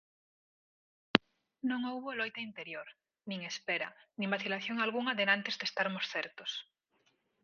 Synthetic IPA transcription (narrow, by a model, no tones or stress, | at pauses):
nõŋouβolojt̪eint̪eɾjoɾ | nĩŋespeɾa̰nĩmbaθilaθjoŋalɣuŋaðenãnt̪ezðest̪aɾmosθɛɾt̪os